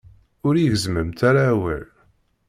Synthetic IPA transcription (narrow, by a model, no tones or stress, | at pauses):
ʊɾiʝəzməmt̪aɾawə̰l